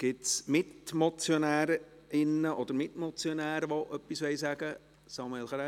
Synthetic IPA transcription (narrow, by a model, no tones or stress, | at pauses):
ɡ̥ɪtsmɪtmɔt͡sjonæːɾ | ɪnːəʔɔd̥̪əɾmɪt̪mɔt͡sjonæːɾəʋoʔœpːisʋɛɪsæɡ̥ə | sɑːmuelχɾa